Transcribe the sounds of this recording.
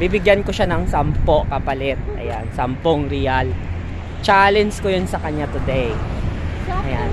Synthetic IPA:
bibɪɡjɐnkoʃanɐŋsɐmpo̞kɐpɐlɛt̪̚ʔɐ̰ja̰nsɐmpoŋɾijal | t͡ʃalɛnskojonsɐkɐɲːat̪ʊd̪ej | ʔɐjan

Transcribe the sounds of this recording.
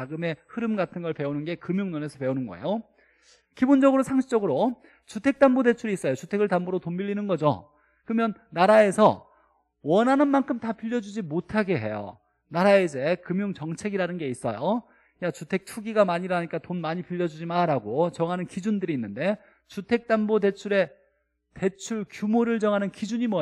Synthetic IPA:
aɡɯme̞hɯɾɯmɡatʰɯnɡʌɭpe̞onɯnɡe̞kɯmjoŋnone̞sʰʌpe̞onɯnɡʌ̰ḛjo | kibond͡ʑʌɡɯɾosʰaŋɕʰi̥t͡ɕʌɡɯɾo | t͡ɕutʰe̞k̚t͈ambode̞t͡ɕʰuɾiːs͈ʌjot͡ɕutʰe̞ɡɯɭtamboɾotombiʎːinɯnɡʌd͡ʑo̰ | kɯɾɯmjʌnːaɾae̞sʰʌ | wʌnɦanɯnmankʰɯmtapiʎːʌd͡ʑud͡ʑimotʰaɡeɦe̞jo̰ | naɾaeid͡ʑe̞kɯmjuŋt͡ɕʌŋt͡ɕʰe̞ɡiɾanɯnɡe̞is͈ʌ̰jo | jat͡ɕutʰe̞k̚tʰuɡiɡamaɲiɾaɲik͈atonmaɲipiʎːʌd͡ʑud͡ʑimaɾaɡot͡ɕʌŋɦanɯnkid͡ʑundɯɾiːnːɯnde̞ | t͡ɕutʰe̞k̚t͈ambode̞t͡ɕʰuɾe̞ | te̞t͡ɕʰuɭkjumoɾɯɭt͡ɕʌŋɦanɯnkid͡ʑuɲimwʌ

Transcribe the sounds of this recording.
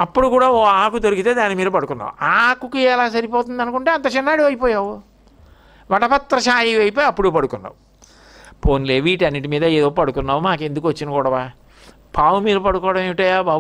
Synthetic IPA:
ɐpːuɽukuːɽaːoːaːkut̪oɾuɡit̪e̞ːd̪aːnimiːd̪ɐpɐɽukunːa̰ːwṵaːkukiɛlaːs̬ɐɾipoːt̪und̪ɐnukuɳʈeːɐnt̪ɐt͡ʃinːaːɽiʋɐjipɔːjaːwu | ʋɐʈɐpɐt̪ːɾɐʃaːjiʋɐjpoːjɐpːuɽupɐɽukunːa̰ːwu | pʰoːnleːʋiːʈɐnːiʈ̬imiːd̪ɐeːd̪oːpɐɽukunːaːwumaːke̞nd̪ukuʋɐt͡ʃːinɐkuːɽɐʋaː | pʰaːwumiːɾɐpɐɽukɔːɽɐmeʋiʈɐːjaːbaː

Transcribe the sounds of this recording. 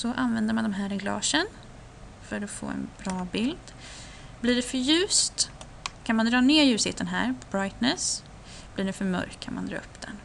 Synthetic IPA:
sɔʔanvɛnd̪əɾmand̪ɔɛmɦæːɾɛɡlɑ̰ːʂən | fœɾɔfo̰ːɛ̰nbɾɑːbɪld̪̥ | bliɖɛfœɾjʉ̟ːst̪ | kʰanmand̪ɾɑːneːɾjʉ̟ːshḛːt̪ənɦæːɾpʰɔbɾajt̪nɛs | bliːɖɛfœɾmœ̰ɾkːkʰanmand̪ɾɑ̰ːɵpːd̪̥ɛ̰n

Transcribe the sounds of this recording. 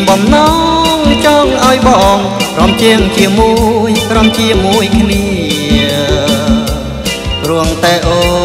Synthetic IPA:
ɓɑmnɑŋt͡ɕɔːŋʔaɔjɓɑːŋprɑmt͡ɕiəŋt͡ɕiəmuəjkromt͡ɕiəmuəjkʰniə | pruəŋt̪aɛʔoː

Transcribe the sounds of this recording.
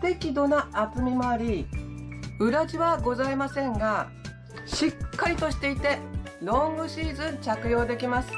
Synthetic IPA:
t̪e̞kʲid̪o̞naːtɨmʲimo̞aɾʲi | ɯ̟ɾad͡ʑiβaɡo̞zaimasẽ̞ŋɡa | ɕikʰːaɾʲit̪o̞ɕi̥t̪e̞it̪e̞no̞mɯ̟ɕiːzɨ̃ɲ̟t͡ɕakɯ̟jo̞ːd̪e̞kʲimasɨ̥

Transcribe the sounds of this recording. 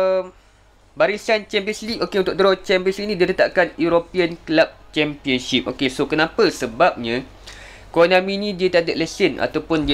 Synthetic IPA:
baɾisant͡ʃɛmpiənsliʔokeunt̪ʊkdɾɔt͡ʃɛmpiənsliʔnĩdiət̪ət̪a̰ʔkanjuɾopiənklap̚t͡ʃɛmpiənʃip̚ʔokesokənãpəsəbap̚ɲã | konãmĩnĩdiət̪adəʔ̚ləsɪna̰t̪awpʊndi

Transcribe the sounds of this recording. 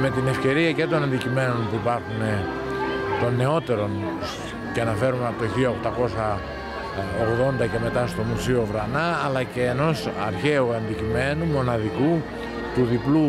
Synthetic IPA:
me̞t̪ine̞fce̞ɾiɐce̞t̪o̞nɐnd̪icime̞no̞npuipɐɾxune̞ | t̪o̞nːe̞o̞t̪e̞ɾo̞ns | ceɐnɐfe̞ɾumenɐpt̪oçiɐokt̪ɐko̞sɐ | oɣðo̞nd̪ɐce̞me̞t̪ɐst̪o̞musio̞vɾɐnɐːlɐce̞ːno̞sɐɾçe̞uɐnd̪icime̞numo̞nɐðiku | t̪uðiplu

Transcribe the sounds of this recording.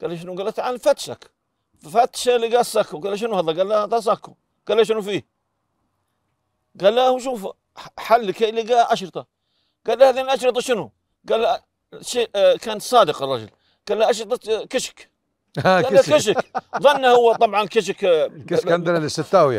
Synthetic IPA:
ɡ̥alːaʃɪnuɡalːat̪ʕalfat̪ʃa̰k | ffat̪ʃaliɡaːsakːuɡalːaʃ̬ɪnuhɑðˤɑɡalːat̪ˤas̬akːu | ɡ̥alːaʃ̬ɪnufiː | ɡaːlːahuʃ̬uːfa̰ | ħalːkeliɡaʔʔaʃɾɨt̪ˤɑ | ɡ̥alːahaðiːnlʔɑʃɾɨt̪ˤɑʃɪnu | ɡalːa | ʃeːkaːnsˤɑːd̪ɪqɑrˤːɑ̰d͡ʒʊ̰l | ɡ̥alːaʔɑʃ̬ɾɨt̪ˤɑkɪʃɪ̥k | ɡaːakɪʃ̬ɪkðˤɑnːahʊwːat̪ˤɑbʕɑnkɪʃ̬ɪk | nd̪aalɪsɪt̪ːaːwja̰

